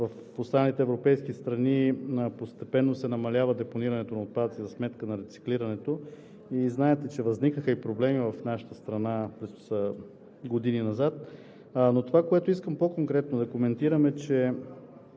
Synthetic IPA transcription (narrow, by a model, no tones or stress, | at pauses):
vɐf | ost̪ɾanlit̪ɛːvɾopɛjskist̪ɾɐnipost̪ɛpɛnːosɛnɐmɐlʲavəd̪ɛponiɾɐnɛt̪onɐot̪̚pad̪ət̪izɐsmɛt̪kənɐɾɛt̪si̥kliɾɐnɛt̪o | iznaɛt̪ɛt͡ʃɛvɐznikəxəipɾoblɛmivɐfnaʃə̥t̪əst̪ɾɐnapɾɛs | ɡod̪ininɐzat̪̚ | not̪ovakoɛt̪oiskəmpokoŋkɾɛt̪̚nod̪ɐkomɛnt̪iɾəmɛt͡ʃɛ